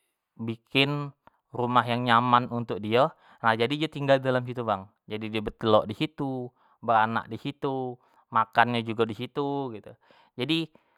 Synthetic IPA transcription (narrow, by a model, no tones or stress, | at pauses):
bikɪn | rumaɦjaŋɲamanunt̪ʊk̚dia | nahd͡ʒadidiat̪iŋɡaldalamsit̪ubaŋ | d͡ʒadidiabət̪əlɔʔdisit̪u | bəɾana̰kʔ̚disit̪u | makanɲad͡ʒuɡadisit̪uɡit̪u | d͡ʒadi